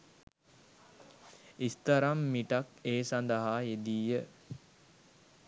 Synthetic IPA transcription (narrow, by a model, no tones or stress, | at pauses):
ist̪əɾamːiʈakeːsand̪əɦaːed̪iːjə